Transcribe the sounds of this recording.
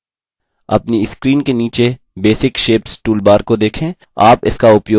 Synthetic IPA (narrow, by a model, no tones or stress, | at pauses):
ɐ̰pniɪskɾiːnkeniːt͡ʃe | beːsɪkʃeːpsʈuːlbaːɾkod̪eːkʰẽː | aːpɪ̰skaʊpjoː